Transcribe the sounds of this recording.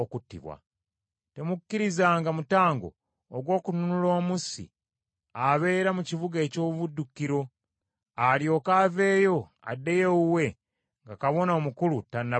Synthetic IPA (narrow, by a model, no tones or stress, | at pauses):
okutːḭβwa̰ | te̞mukːiɾizaːŋɡamutaːŋɡo̞̰ː | ɡwo̞ːkununulo̞ːmusḭ | aβe̞ːɾamucivuɡeːco̞ːββudːukːiɾo̞ | aljo̞ːkaːve̞ːjo̞ | a̰dːe̞jeuwe̞ | ŋɡakaβo̞nomukulutanːa